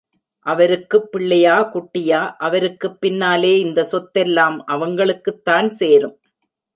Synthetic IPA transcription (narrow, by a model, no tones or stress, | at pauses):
ʔɐʋɐɾɯkːɯpːɪɭːɐjaːkʊʈːɪjaːʔɐʋɐɾɯkːɯpːɪnːaːleːɪnd̪ɐsɔt̪ːɛlːaːmʔɐʋɐŋɡɐɭɯkːɯt̪ːaːnseːɾɯm